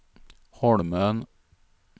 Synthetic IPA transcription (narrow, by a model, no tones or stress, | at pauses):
hɔɽmœn